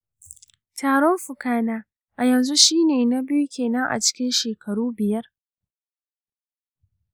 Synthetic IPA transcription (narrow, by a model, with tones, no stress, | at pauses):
taː˨ɽɔ˦mɸʊ˨kaː˦naː˦ | ʔa˨jɐ˨nzu˦ʃiː˦neː˨na˦bɪ˦ju˦kʲeː˨nɐ˦ŋʔa̰˨t͡ʃɪ̥˦kʲɪ˦nʃeː˨kʰɐ˨ɽuː˦bɪ˨jɐ˦r